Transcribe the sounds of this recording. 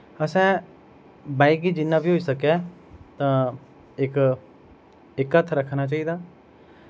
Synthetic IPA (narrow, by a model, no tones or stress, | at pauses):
əsɛ̃ː | baːikiːd͡ʒɪnːãːbiːɦoːiːsəkɛːt̪ãː | ɪk | ɪkət̪ʰɾəkʰnaːt͡ʃaːiːd̪aː